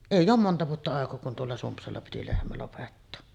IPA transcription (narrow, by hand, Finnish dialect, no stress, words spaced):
eˑijˑ oːm montɑ ʋuotːɑ ɑˑekoː kun tuolːɑ sumpsɑlːɑ piti lehmæ lopetːoː